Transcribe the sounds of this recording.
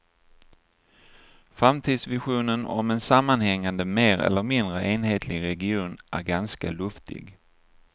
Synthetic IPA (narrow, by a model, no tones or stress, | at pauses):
fɾamt̪ʰiːd̪svɪɧuːnənɔ̰mɛnsamːanhɛŋːand̪əmeːɾɛ̰lːəɾmɪnd̪ɾəʔeːnheːt̪ʰlɪɡɾɛɡɪuːnʔæ̰ɾɡanska̰lɵft̪ɪ̰ɡ